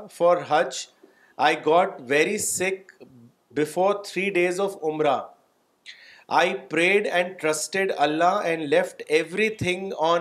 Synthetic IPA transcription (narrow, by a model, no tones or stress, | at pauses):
fɔːɾɦʌd͡ʒ | ʔaɪɡɔːʈʋeɾisɪk̚ | bɪfoːɾt̪ʰɾiːɖeːzɔʋʊ̃mɾa | ʔaɪpɾeːɖɛ̃ɳɖ̚ʈɾʌsʈeɖʌlːaɛ̃ɳɖlɛfʈɛʋɾit̪ʰɪ̃ŋɔ̃ːn